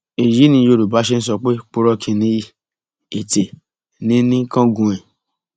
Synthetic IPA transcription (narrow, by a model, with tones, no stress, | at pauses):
e˨ji˨˦nĩ˧˦jo˧˨ɾu˨ba˨˦ʃe˦n̩˦s̬ɔ˧k͡pe˦k͡po˧ɾɔ˧kʰĩ˧nĩ˧˦i˧ | e˨te˨ | nĩ˨˦nĩ˦kã˦ɡũ˧˨ɛ˨